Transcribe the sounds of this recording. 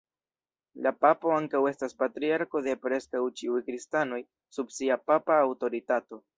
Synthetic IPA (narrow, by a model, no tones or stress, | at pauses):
lapapo̞aŋkawe̞staspatɾiaɾko̞de̞pɾe̞skawt͡ʃiujkɾistano̞j | sub̚siapapaːwto̞ɾitato̞